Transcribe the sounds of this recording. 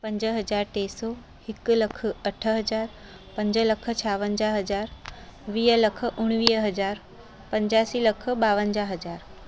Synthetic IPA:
pɐ̃ɲd͡ʑəɦɐd͡ʑaːɾt̪eːsɔː | hɪk̆lɐk̆ʰɐʈʰə̆ɦɐd͡ʑaːɾ | pɐ̃ɲd͡ʑə̆lɐkʰə̆t͡ɕʰaːʋənd͡ʑaːɦɐd͡ʑaːɾʋiːɦəlɐkʰə̆ʔʊɽ̃ʋiːɦɦɐd͡ʑaːɾ | pɐ̃ɲd͡ʑaːsiːlɐkʰə̆ɓaːʋənd͡ʑaɦɐd͡ʑaːɾ

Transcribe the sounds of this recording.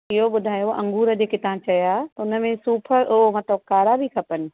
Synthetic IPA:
ɪɦoɓʊd̪ʱaːjoɐ̰̃ŋɡuːɾəd͡ʑeːkʰet̪ɐɦãt͡ɕɐjaʊnə̆mẽsuːpʰəʔmɐt̪ləb̚kaːɾabʱikʰɐpənɪ̆

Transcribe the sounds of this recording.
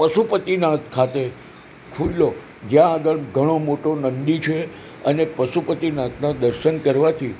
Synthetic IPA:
pəʃupət̪inãt̪kʰat̪e | kʰullo | d͡ʒjãːɡəɭɡʱəɽ̃omoʈonənd̪it͡ʃʰe | ənepəʃupət̪inãt̪nãd̪əɾʃənkəɾʋat̪ʰi

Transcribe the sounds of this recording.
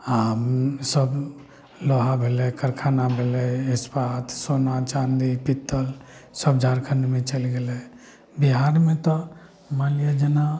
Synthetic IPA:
amsəb | lɔɦabʱelɛkəɾkʰanabʱelɛespat̪ʰsonat͡ʃand̪ipit̪ːəlsəbd͡ʒʱaɾkʰənmet͡ʃəlɡelɛ | biɦaɾmẽt̪ɔ | maljəd͡ʒəna

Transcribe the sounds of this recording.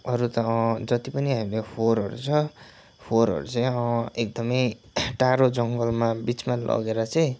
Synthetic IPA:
ʌɾut̪ʌd͡zʌt̪ipʌniɦamilepʰoɾʌ̰ɾṵt͡sʰʌ | pʰoɾʌ̰ɾut͡sʌj̃ʌek̚d̪ʌmʌj | ʈaɾod͡zʌŋɡʌlmabit͡smalʌ̰ɡeɾʌt͡sʌj̃

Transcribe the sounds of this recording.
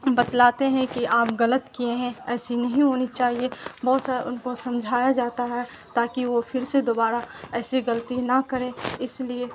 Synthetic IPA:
bɐt̪laːt̪eɦɛ̃kiʔaːpɣɐlət̪kiẽɦɛ̃ɛːsinɐɦĩɦoːnit͡ʃaːɦiebɔːt̪saːɾeʊnkosɐ̃md͡ʒʱaːjad͡ʒaːt̪aɦɛ | t̪aːkiʋofɪɾsed̪oːbaːɾaɛːsiɣɐlt̪inɐkɐɾẽːɪslie

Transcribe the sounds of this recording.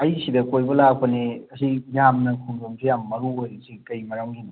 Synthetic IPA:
ɐjsidɐkojbɐlak̚pɐneɐsijamnɐkʰumdomsʰijamːɐɾuojɾɐsʰikɐjmɐɾawŋɡino

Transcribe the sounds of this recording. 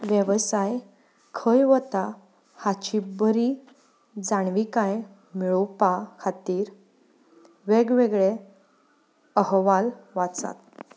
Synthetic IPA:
ʋjəʋsaj | kʰəjʋət̪a | hat͡ɕibəɾi | d͡zaɳ̃ʋikaj | miɭowpakʰat̪iːɾ | ʋeɡʋeɡɭe | əɦʋalʋat͡sa̰t̪

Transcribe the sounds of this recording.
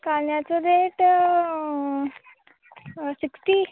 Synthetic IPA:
kalnjat͡sod̪eʈ | siksʈi

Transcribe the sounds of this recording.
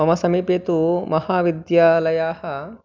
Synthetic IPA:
ɐmɐsɐmipeːt̪umɐhaːʋid̪jaːlɐjaːhɐ̆

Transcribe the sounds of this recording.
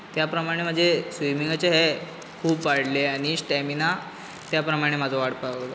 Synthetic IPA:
t̪japɾəmaɽ̃em̤əd͡zʱesʋimiŋɡat͡ɕeɦe | kʰuːbʋaɽ̤leaɽ̃isʈɛmina | t̪japɾəmaɽ̃emad͡zʱoʋaɽpaɡlo

